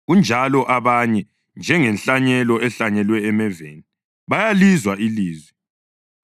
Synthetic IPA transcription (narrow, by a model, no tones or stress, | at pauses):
ɣund͡ʒʱalɔʔaβaɲɛ | nd͡ʒʱɛŋɛnɬaɲɛlɔɛɬaɲɛlwɛːmɛvḛni | βajalizwaʔiliːzwɛ